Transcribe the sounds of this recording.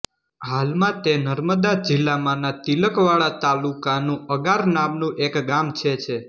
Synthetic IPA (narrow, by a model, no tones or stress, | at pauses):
ɦalmãt̪enəɾməd̪ad͡ʒilːamãnat̪iləkʋaɭat̪alukanũəɡaɾnamnũʔekɡamt͡ʃʰet͡ʃʰe